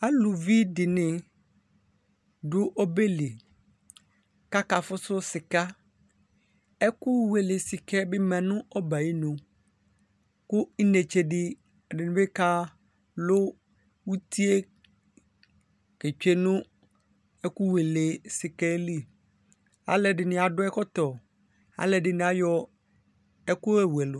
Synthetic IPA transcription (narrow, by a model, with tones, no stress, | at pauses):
a˦lʊ˨vi˦dɪ˨nɪ̃˨ | dʊ˦ʔo˦be˦le˨ | ka˦ka˨fʊ˦sʊ˦sɪ˨ka˦ | ɛ˦kʊ˦we˨le˨sɪ˨kɛ˦bɪ˦mɛ̃˨nʊ̃˦ʔɔ˦ba˨ji˦nõ˨ | kʊ˦ɪ˦ne˨t͡ʃe˨dɪ˦ | ɛ˨dɪ˨nʊ̃˨be˦ka˦ | lʊ˦ | wu˦t̪i˦e˦ | ke˨t͡ʃᶣe˦nʊ̃˦ | ɛ˦ku˦we˨le˨sɪ˨kɛ˦li˦˨ | a̰˨lɛ˨ɖɪ˨nɪ̃˨a˨dʊ˦ɛ˦kɔ˦t̪ɔ˨ | a̰˨lɛ˨dɪ˨nɪ̃˨˦a˨jɔ˦ | ɛ˦kʊ˦ɛ˦we˨lʊ˨